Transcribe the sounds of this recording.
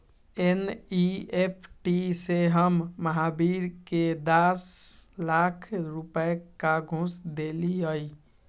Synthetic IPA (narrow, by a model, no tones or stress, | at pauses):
eniepʰʈiseɦəmːəɦabiɾked̪aslakʰɾupəekaɡʱũsd̪eliəj